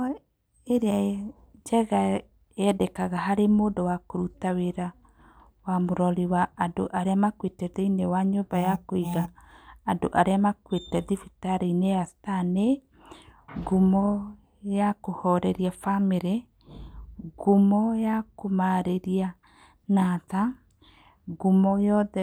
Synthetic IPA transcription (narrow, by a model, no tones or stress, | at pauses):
eɾea | d͡ʒɛɣa | ɛdɛkaɣaɦaɾemoːdowakoɾutaweɾa | wamoɾɔliwaːdo̰ʔaɾeamakwetɛðeinewaɲoːbajakoiɣaːndo̰ʔaɾeamakwetɛðifitaɾeinejastane | ɡumɔ | jakohɔɾɛɾiafameɾe | ɡumɔjakomaɾeɾia | nata | ɡumɔjɔðɛ